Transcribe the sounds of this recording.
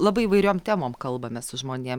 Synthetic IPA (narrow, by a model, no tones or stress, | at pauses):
lˠɑːbɐɪiːʋɐɪɾʲoːmt̪ʲæːmoːmkɐlˠbɐmʲɛsʊʒmoːnʲeɛm